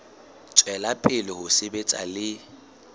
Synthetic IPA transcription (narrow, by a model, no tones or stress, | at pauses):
t͡sʼwɛlapʰʼɪlɪhʊsɪbet͡sʼa̰lɪ